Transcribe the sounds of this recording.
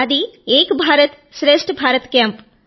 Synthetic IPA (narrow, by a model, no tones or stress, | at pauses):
ɐd̪ieːkbʱaːɾɐt̪ | ʃɾeːʂʈbʱaːɾɐt̪kjaːmp